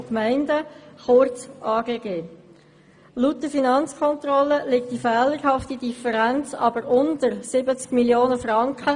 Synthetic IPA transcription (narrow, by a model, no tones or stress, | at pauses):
kmæɪndəχʊɾt͡sʔɑːɡeːɡeː | lutːəfinɑnt͡skʰɔntrɔlːəlɪk̚t̚d̥ifɛːləɾhɑftidifəɾænt͡sɑ̰bəɾʊntəɾsɪbət͡skmiljoːnəfɾɑŋkχə